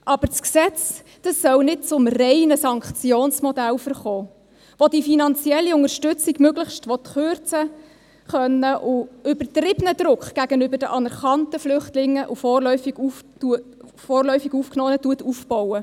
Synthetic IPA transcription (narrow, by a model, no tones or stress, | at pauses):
ʔɑb̥əɾt͡sksɛt͡s | d̥ɑsːœlnɪt̚t͡sʊmrɛɪnəsɑŋkχt͡sjoːnsmɔdælfəɾχɔː | ʋodifinɑnt͡siɛlːiʊŋəɾʃtʏt͡siɡmøɡləχʃtʋɔt̪χʏɾt͡sə | χœnːəʔʊʏbəɾtɾɪbənəd̥̪ɾʊkχɡ̥æɡənʏbəɾdəʔɑnɛɾχɑntəflʏχtlɪŋːəʔʊfɔːrlœʏfiɡ̥uftuə | fɔːrlœʏfiɡuːfknɔːnətuətufb̥ɔwə